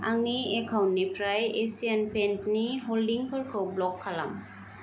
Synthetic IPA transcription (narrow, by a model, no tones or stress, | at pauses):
a̰ŋiɛkʰawnːipʰɹajesiɛnpɛntniɦoldiŋpʰɔɹkʰowblɔkʰːala̰m